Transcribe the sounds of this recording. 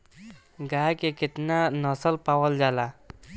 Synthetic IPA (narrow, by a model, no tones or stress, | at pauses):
ɡajkekɪt̪nanʌsəlpawəld͡ʒala